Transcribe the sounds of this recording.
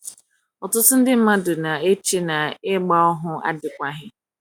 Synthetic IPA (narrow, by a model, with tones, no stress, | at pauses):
ɔ˨tʊ˦tʊ˦n̩˦dɪ˦m̩˦ma˦dʊ˨na˨e˦t͡ʃe˦na˨ɪ˦ɡ͡ba˦ɔ˦ɦʊ˦a̰˦dɪ˨kʷa˦ɦɪ˦